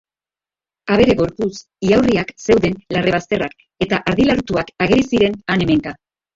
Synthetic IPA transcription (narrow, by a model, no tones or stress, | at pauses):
aβe̞ɾe̞ɣo̞ɾpus | iawriakse̞wðe̞nlare̞β̞ast̪e̞rak | e̞t̪aʔaɾðilaɾt̪uakaɣe̞ɾisiɾe̞nane̞me̞ŋka